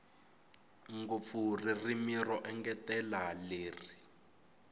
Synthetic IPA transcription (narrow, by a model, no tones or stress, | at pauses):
ŋɡop̪furirimirɔʔɛŋɡɛtɛlaleːri